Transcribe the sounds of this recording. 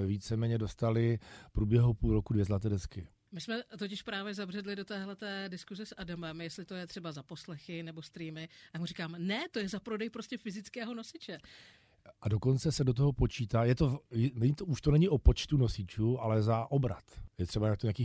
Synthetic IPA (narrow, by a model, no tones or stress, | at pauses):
ɛviːt͡sɛmɛːɲɛdo̞st̪alɪfpɾuːbjɛɦupuːlɾo̞kudvjɛzlat̪ɛːdɛskɪ | mɪsmɛt̪o̞cɪʃpɾaːvjɛzabrɛdlɪdo̞t̪ɛːɦlɛt̪ɛːdɪskuzɛsʔadamɛmjɛst̪lɪt̪o̞jɛt̪r̥ɛbazapo̞slɛxɪnɛbo̞st̪ɾiːmɪjaːmurikaːmnɛt̪o̞jɛzapɾo̞dɛjpɾoscɛfɪzɪt͡skɛːɦo̞no̞sɪt͡ʃɛ | ʔado̞ko̞nt͡sɛsɛdot̪̬oɦopo̞t͡ʃiːt̪aːjɛt̪ojnɛɲɪt̪ouʃt̪onɛɲɪʔopo̞t͡ʃt̪uno̞sɪt͡ʃuːʔalɛzaʔobɾa̰t̪jɛt̪r̥ɛbaɲak̚t̪oɲeakiː